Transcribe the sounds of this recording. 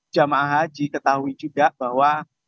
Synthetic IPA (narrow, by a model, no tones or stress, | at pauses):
d͡ʒamaʔaɦad͡ʒikət̪aɦuid͡ʒuɡaʔbahwa